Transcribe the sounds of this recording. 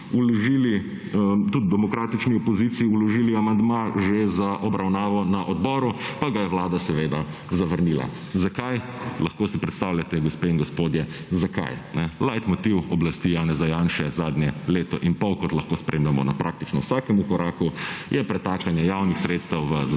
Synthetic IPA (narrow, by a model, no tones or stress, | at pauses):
ulɔʒili | t̪ud̪̚d̪ɛmɔkɾaːt̪it͡ʃniɔpɔziːt̪siiulɔʒiːliamand̪maʒezaʔɔbɾawnaːʋɔnaʔɔd̪bɔːɾupaɡajɛwlaːd̪asɛʋeːd̪a | zaʋəɾniːla̰ | zakajlaxkoːsipɾɛt̪st̪aːwlʲjat̪ɛɡospeiŋɡɔspoːd̪jɛzaka̰jnɛlajt̪mɔt̪iwɔblast̪ijaːnɛzajaːnʃɛzaːd̪njɛleːt̪ɔʔinpɔwkɔt̪lɐxkoːspɾʔeːmlɛmɔ̰na̰pɾʔak̚t̪it͡ʃnɔ̰wsakɛmukɔɾaːkujʔɛpɾɛt̪akanjɛjawnixsɾeːt̪st̪ɛwʋə